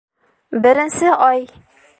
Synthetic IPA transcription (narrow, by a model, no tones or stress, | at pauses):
bɘ̆ɾɘ̆nsɘʔɒj